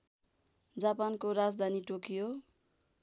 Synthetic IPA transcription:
d͡zapankoɾad͡zd̪ʱaniʈokijo

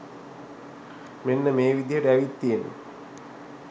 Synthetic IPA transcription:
menːɐmeːʋid̪ʱjɐɽeɐʋit̪ːiːnṵ

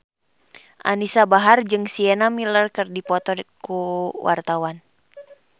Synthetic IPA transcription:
ʔa̰nisabaɦard͡ʒɨŋsiɛnamilərkɨrdipɔt̪ɔkuwa̰rt̪awan

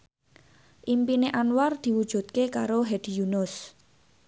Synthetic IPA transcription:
ʔimpineʔanward̪̥i̤wud̥ʒ̥ṳt̪̚kekaɾoɦed̪̥i̤junʊs

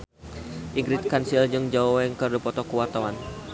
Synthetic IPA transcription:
ʔiŋɡɾɪt̪̚kansild͡ʒɨŋd͡ʒaowɛŋkərdupɔt̪ɔkuwart̪awan

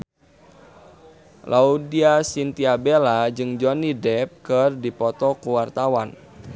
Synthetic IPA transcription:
lʔaudiasint̪iabelad͡ʒɨŋd͡ʒɔnidɛp̚kərdipɔt̪ɔkuwart̪awan

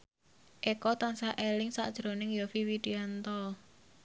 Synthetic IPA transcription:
ʔekɔt̪ansaʔelɪŋsa̰ʔd̥ʒ̥ɾo̤nɪŋjɔfiwiɖ̥iant̪ɔ

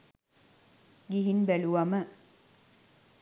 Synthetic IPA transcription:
ɡiɦinbæluʋamə

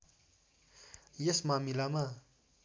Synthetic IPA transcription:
jesmamilama

